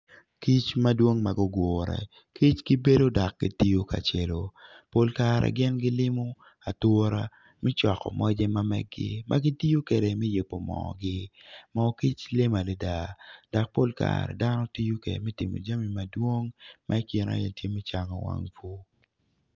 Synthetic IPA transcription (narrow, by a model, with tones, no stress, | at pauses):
ki˦t͡ʃma˦dwo˦ŋma˨ɡʊ˦ɡʊ˨ɾɛ̰˨ | ki˦t͡ʃɡi˦be˦do˦da˨k̚ːi˦ti˦jo˦ka̰˨t͡ʃe˦lo˨ | po˦lka˨ɾɛ̰˨ɡɪ˦nɡɪ˦lɪ˦mo˦ | a˨two˦ɾa˦ | mɛ˦t͡ʃɔ˨kɔ̰˨mɔ˦d͡ʒɛ˦ma˦mɛ̰˦ɡɡɪ̰˦mʔa̰˦ɡi˦ti˦jo˦ke˨de˨mɛ˦jo˨pːo˨mɔ˨ɡɪ˦mɔ˦ki˦t͡ʃlɪ˦ma˨lɛ˦da˨d̥a˨k̚po˦lka̰ɾɛ̰˨da˦nɔ˦ti˦jo˦ke˨de˨mɛ˦tɪ˨mo̰˨d͡ʒa˦mi˨ma˨dwo˦ŋmʔa˦kji˨na̰˨jɛ˦tje˦mɛ˦t͡ʃa˦ŋɔ̰˨wa̰˦ŋfo˦